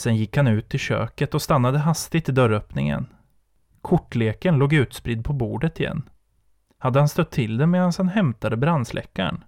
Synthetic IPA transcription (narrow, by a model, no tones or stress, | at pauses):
sɛnjɪkːhanʉ̟ːt̪ʰːɪlɕø̰ːkət̪ɔst̪anːad̪əɦast̪ɪt̪ɪd̪œɾœpnɪ̰ŋə̰n | kʰʊʈːleːkənloːɡʉ̟ːt̪spɾɪd̪̚pʰɔbuːɖət̪ɪjɛ̰nː | had̪ːəhanst̪œt̪ʰːɪld̪ɛmeːd̪anshanɦɛmt̪ad̪əbɾanslʔɛ̰kːa̰ɳ